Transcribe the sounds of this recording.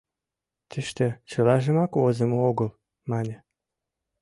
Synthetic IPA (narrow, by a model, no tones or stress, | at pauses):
t̪ɘʃt̪ĕt͡ɕɤlɑʒɘ̆mɑkozĕmooɡɤ̆l | mɑnʲe